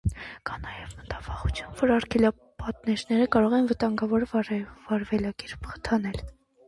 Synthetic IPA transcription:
kɑnɑjɛvmət̪ɑvɑχut͡sʰjumvɔɾɑɾkʰɛlɑ | pɑt̪nɛɾnɛɾəkɑɾɔʁɛnvət̪ɑŋɡɑvɔɾvɑɾvɛlɑkɛɾpʰχə̥t̪ʰɑnɛl

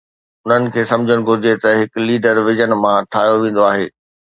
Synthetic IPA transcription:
ʊn̤ənɪ̆kʰeːsɐ̃md͡ʑʱəɽ̃ʊ̆ɡʱʊɾɪd͡ʑet̪ɐɦɪkliːɖəɾʋɪd͡ʑənmãʈʰaːɦjoʋẽːn̆d̪oaːɦḛː

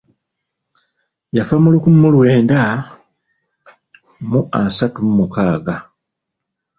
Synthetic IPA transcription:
jafamulukumulwe̞ːnda | muʔasatumumukaːɡa

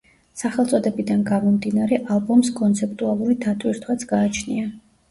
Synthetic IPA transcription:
saχɛlˠt̪sʼɔd̪ɛbid̪anɡamɔmd̪inaɾɛʔalˠbɔmskʼɔnt̪sʰɛpt̪ʼualˠuɾid̪at̪ʼwiɾt̪ʰwat̪sʰɡaːt͡ʃʰnḭa

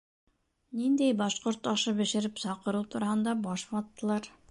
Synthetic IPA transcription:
nind̪ejbɑʃqŏɾt̪ɑʃɤbĕʃĕɾɪpsɑqɤ̆ɾut̪ʰuɾɑhɤnd̪ɑbɑʃmɑt̪ːɤlˠɑɾ

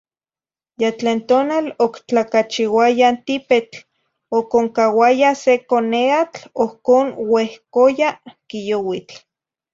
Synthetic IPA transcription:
jat͡ɬeːnt̪oːnalokt͡ɬakat͡ʃiwajant̪ipet͡ɬ | okoŋkawajasekoneat͡ɬohkoːnwehkojakijowit͡ɬ

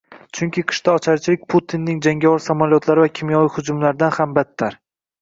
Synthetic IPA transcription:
t͡ʃʰʊŋkʲʰɪqʰɨ̥ʃt̪aɒt͡ʃʰaɾt͡ʃʰɪlɪk̚ʲpʰʊt̪ʰinːɪŋd͡ʒaŋɡʲavɒɾsamalijɒt̪laɾɪvakʲʰɪmjɒvijhʊd͡ʒʊmlaɾɪd̪anhambat̪ʰːaɾ

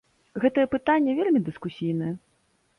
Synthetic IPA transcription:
ɣɛt̪ɐjɛpɨt̪anʲːɛvʲelʲmʲid̪ɨskusʲijnɨjɛ

